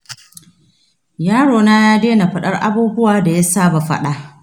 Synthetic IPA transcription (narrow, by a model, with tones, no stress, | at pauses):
jaː˦ɽoː˨naː˦jaː˦deː˦na˨ɸɐ˦ɗɐ˦rʔa̰˦buː˦bʊ˦waː˨da˨ja˦saː˦ba˨ɸɐ̰˦ɗa˨ʔ